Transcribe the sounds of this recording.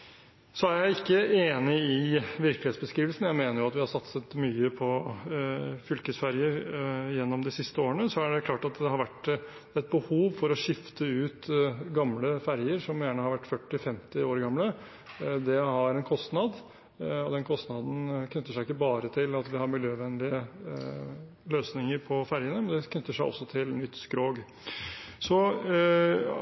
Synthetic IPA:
sɔæɾjæɪɪkːəeːnɪɪʋɪɾklɪeːt̪sbəskɾiːʋəlsən̩jæɪmeːnəɾjʊɑt̪ʋɪhɑɾsɑt̪sət̪myːəpʰɔ | fʏlkəsfæɾjəɾjɛnːɔmd̪ɪsɪst̪əoːɾənəsɔæɖɛkʰlɑːʈɑt̪d̪ɛhɑɾʋæʈː | ɛt̪̚bəhuːʋfɔɾɔʂɪft̪ʰəʉːt̪ɡɑmləfæɾjəɾʂɔmjæːɳəhɑɾʋæʈːfœʈːɪfɛmt̪ɪoːɾɡɑmlə | d̪ɛhɑɾɛnkʰɔst̪nɑd̪ | ɔd̪ɛnkʰɔst̪nɑd̪n̩kʰnʏt̪ːəʂæɪɪkːəbɑːɾət̪ʰɪlɑt̪ʋɪhɑɾmɪljøːʋɛnlɪə | løːsnɪŋəɾpʰɔfæɾjənəmɛnd̪ɛkʰnʏt̪ːəʂæɪʔɔ̰sːɔt̪ʰɪlnːʏt̪ːskɾoːɡ | sɔ

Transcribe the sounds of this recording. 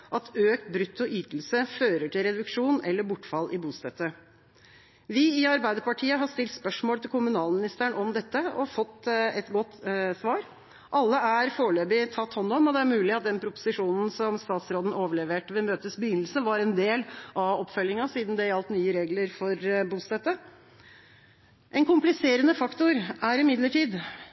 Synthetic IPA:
ʔɑt̪øːkt̪bɾʉt̪ʰːɔʔyːt̪l̩səføːɾəʈʰɪlɾɛd̪ʉkʂuːnɛlːəbʊʈːfɑlːʔɪbuːst̪ɛt̪ːə | ʋɪɪɑɾbæɪd̪əpɑʈʰiːəɦɑʂt̪ɪlt̪spœʂmoːlt̪ʰɪlkʰʊmʉnɑːlmɪnɪst̪əɳɔmd̪ɛt̪ːəɔ̰fɔt̪ːɛt̪ɡɔt̪ːsʋɑːɾ | ʔɑlːəæɾfoːɭøːbɪt̪ʰɑt̪ːhɔnːɔmɔd̪ɛæɾmʉːlɪɑt̪̚d̪ɛnpʰɾʊpʊ̥sɪʂuːnn̩sɔmst̪ɑːt̪sɾoːd̪n̩ʔoːʋəɭɛʋeːʈʋɛlmøːt̪əsbəjʏnəl̩səʋɑɾɛnd̪eːlʔɑɔpːfœlːɪŋɑsiːd̪n̩d̪ɛjɑlt̪nyːəɾeːɡləɾfɔɾbuːst̪ɑt̪ə | ʔɛnkʰʊmplɪseːɾənəfɑkt̪ʊɾæɾɪmɪd̪ləʈiːd̪

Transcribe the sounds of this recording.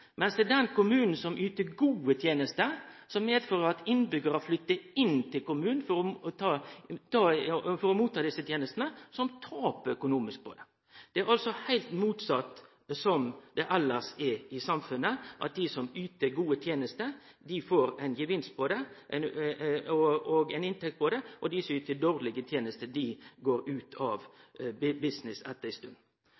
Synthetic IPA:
mɛnsd̪ɛːd̪ɛnkʊmʉːnn̩sɔmʔyːt̪əɡuːət̪ʰjeːnəst̪əsɔmmeːd̪føːɾəɾɑt̪ɪnːbʏɡəɾɑflʏt̪ːəɪnːt̪ʰɪlkʊmʉːnn̩fɔɾɔɔt̪ʰɑːt̪ʰɑfɔɾɔmuːt̪ʰːɑːd̪ɪsːət̪ʰjeːnəst̪nəsɔmt̪ʰɑːpəœkʊnuːmɪsk̚pʰɔ̰d̪ɛ | d̪̥ɛæɾɑlsɔhæɪlt̪muːt̪sɑt̪ː | sɔmd̪̥ɛʔɑlːəsɛɪsɑmfʉnːəʔɑ̰t̪̚d̪ɪsɔmyːt̪əɡuːət̪ʰjeːnəst̪ə | d̪ɪfoːɾæɪnjəʋɪnst̪̚pʰɔd̪ɛʔnɔɔɡæɪnɪnt̪ɛk̚t̪̚pɔd̪ɛʔɔd̪ɪsɔyːt̪əd̪oːʁlɪɡət̪ʰjeːnəst̪əd̪ɪɡoːɾʉːt̪ʰɑʋ | bɪsnɪsɛt̪ːəɪst̪ʉnd̪n̩

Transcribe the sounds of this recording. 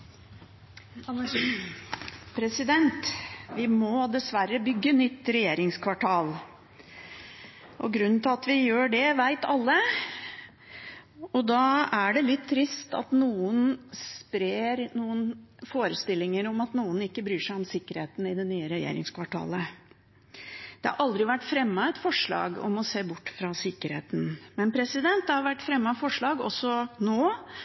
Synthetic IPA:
pʰɾɛsɪd̪ɛnt̪ʋɪmɔd̪ɛsʋæɾːəbʏɡːənʏt̪ːɾɛjeːɾɪŋskʰʋɑʈʰɑːl | ɔɡɾʉnːn̩t̪ʰɪlɑt̪ʋɪjøːɖɛʋæɪt̪ɑlːə | ɔd̪ɑæɖɛlɪt̪ʰːɾɪst̪ɑ̰t̪nuːənspɾeeːɾnuːənfoːɾəst̪ɪlːɪŋəɾɔmɑt̪nuːənɪkːəbɾyːʂæɪɔmsɪkːəɾheːt̪n̩ɪd̪ɛnyːəɾɛjḛːɾɪ̰ŋskʰʋɑʈʰɑ̰ːlə | d̪̥ɛhɑ̰ɾʔɑld̪ɾɪʋæʈːfɾɛmːəɛt̪fɔʂɭɑ̰ːɡɔ̰mɔseːbʊʈːfɾɑsɪkːəɾhḛːt̪n̩mɛnpʰɾɛsɪd̪ɛnt̪̚d̪ɛhɑɾʋæʈːfɾɛmːɑfɔʂɭɑːɡɔ̰sːɔnoː

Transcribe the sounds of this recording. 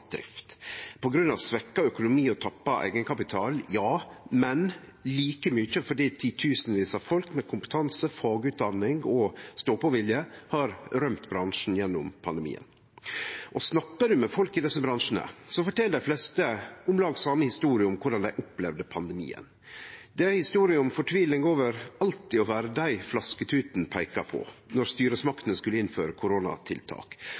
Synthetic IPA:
d̪̥ɾɪ̰ft̪pʰɔɡɾʉnɑ̰ʋsʋɛkːɑœkʊnʊmiːɔt̪ʰɑpːɑʔæ̰ɪɡənkʰɑpɪt̪ʰɑːljɑːmɛn | liːkəmʏçəfɔɖiːt̪ʰiːt̪ʰʉːsnʋiːsɑfɔlkmɛkʰʊmpə̥t̪ʰɑnsəfɑːɡʉːt̪̚d̪ɑnːɪŋɔst̪oːpɔʋɪljəhɑɾɾœmt̪bɾɑŋʂn̩jɛnːʊmpʰɑnd̪ɛmḭːə̰n | ʔɔsnɑkːəɖʉmɛfɔlkɪd̪ɛsːəbɾɑnʂən̩ə̰sɔfɔʈʰɛld̪æɪflɛst̪əʊmlɑːɡsɑmːəhɪst̪uːɾɪəʊmkʰʊɖɑnd̪æɪʔʊplɛʋd̪əpʰɑnd̪ɛmḭːə̰n | d̪ɛhɪst̪uːɾɪəʊmfɔʈʰʋiːʋlɪŋoːʋəɾɑlt̪ɪɔʋæːɾəd̪æɪflɑskət̪ʰʉːt̪n̩pʰæɪkɑpʰɔ̰nɔɾst̪yːɾəsmɑkt̪ənəskʉlːəɪnføːɾəkʰʊɾoːnɑ̰t̪ʰɪ̰lt̪ʰɑ̰ːk

